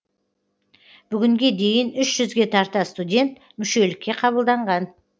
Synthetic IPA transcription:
b̥ʏɡʲɪŋɡʲe̞d̪e̞jɪnʏʃʒʏzɡʲe̞t̪ʰɑɾt̪ɑst̪udʲe̞nt̪ | mʏʃe̞lɪkʲːe̞qʰɑβəlˠd̪ɑɴʁɑn

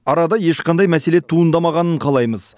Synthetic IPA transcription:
ɑɾɑd̪ɑje̞ʃqʰɑnd̪ɑjmæse̞let̪ʰuənd̪ɑmɑʁɑnəɴqʰɑlˠɑjməz

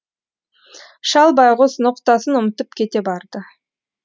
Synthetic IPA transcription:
ʃɑlˠbɑjʁosnoqt̪ɑsənʊmət̪əp̚kʲʰe̞t̪e̞bɑɾd̪ə

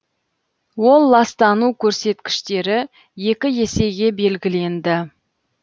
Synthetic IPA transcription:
wo̞lˠːɑst̪ɑnukʲʰɵɾse̞t̪kʲɪ̥ʃt̪e̞ɾɪ | je̞kʲɪje̞se̞jɡʲe̞be̞lɡʲɪle̞nd̪ɪ

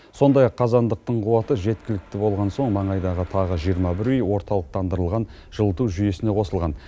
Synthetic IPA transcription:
so̞nd̪ɑjɑqʰːɑzɑnd̪əq̚t̪əɴqʰuwɑt̪əʒe̞t̪kʲɪlɪk̚t̪ɪbo̞lˠʁɑnso̞ɴmɑɴɑjd̪ɑʁət̪ʰɑʁəʒijəɾmɑbɪɾyjwo̞ɾt̪ɑlˠəq̚t̪ɑnd̪əɾəlˠʁɑn | ʒ̥əlˠət̪uwʒʏje̞sɪne̞qʰo̞səlˠʁɑn

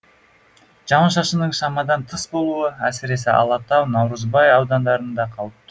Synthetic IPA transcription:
ʒɑmɑʃɑʃənəɴʃɑmɑd̪ɑnt̪ʰəsbo̞lˠuəæsɪɾe̞sɪʔɑ̰lˠɑt̪ɑwnɑwɾəzbɑjɑwd̪ɑnd̪ɑɾənd̪ɑqʰɑlˠəp̚t̪ə

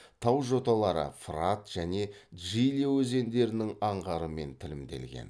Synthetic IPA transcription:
t̪ʰɑwʒo̞t̪ɑlˠɑɾə̰frat̪ʒ̥æne̞ʒijliwɵze̞nd̪e̞ɾɪnɪŋɑɴʁɑɾəme̞nt̪ʰɪlɪmd̪e̞̰lɡʲḛn

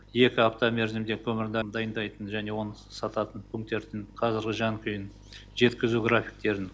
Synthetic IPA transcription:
je̞kʲɪapt̪omʲe̞ɾzɪmd̪e̞kʲʰɵmɪɾd̪ɑmd̪ɑjənd̪ɑjt̪ənʒæne̞wo̞nəsɑt̪ɑt̪ənpʲʰʉŋk̚t̪ːe̞ɾd̪ɪŋqʰɑzɪɾɡʲɪʒɑŋkʲʰʏjɪn | ʒe̞t̪kʲɪzuɡɾafʲi̥jk̚t̪e̞ɾɪn

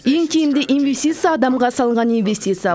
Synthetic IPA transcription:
jeŋkʲʰejɪmd̪ɪʔinvʲe̞sʲt̪ʲit̪sɨjaːd̪ɑmʁɑsɑlˠɴʁɑninvʲe̞sʲt̪ʲit̪sɨja

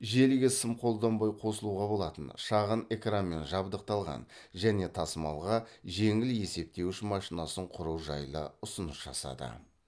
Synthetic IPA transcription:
ʒe̞lɡʲɪsɪmqʰo̞lˠd̪ɑmbɑjqʰo̞səlˠuʁɑbo̞lˠɑt̪ənʃɑʁəne̞kranme̞nʒɑbd̪əq̚t̪ɑlˠʁɑ̰n | ʒæne̞t̪ʰɑsəmɑ̰lˠʁɑʒe̞ŋɪlje̞se̞p̚t̪e̞wʃɪmɑʃinɑsəɴqʰʊɾuwʒɑjlˠəʊsənəsʒ̥ɑ̰sɑ̰d̪ə̰

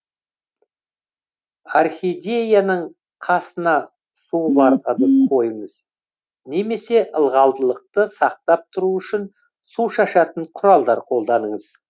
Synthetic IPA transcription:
arχʲid̪ʲe̞janəɴ | qʰɑsənɑ | subɑɾʁənəqʰo̞jəməz̥ | ne̞me̞se̞ʔəlˠʁɑlˠd̪əlˠəq̚t̪əsɑq̚t̪ɑp̚t̪ʰʊɾuʏʃɪn | suʃɑʃɑt̪əɴqʰʊɾɑlˠd̪ɑɾqʰo̞lˠd̪ɑnəɴəz̥

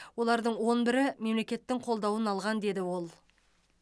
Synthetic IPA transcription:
wo̞lˠɑɾd̪əɴwo̞nbɪɾɪme̞mle̞kʲe̞t̪ːɪŋqʰo̞lˠd̪ɑwənɑlˠʁɑnd̪e̞d̪ɪwo̞lˠ

